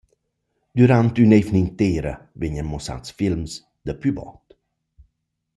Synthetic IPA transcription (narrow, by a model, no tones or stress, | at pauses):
d̪̥yɾant̪ynejvniŋt̪eːɾə̰veɲəmɔsa̰t̪sfilms | d̪̥əpybɑ̰ːt̪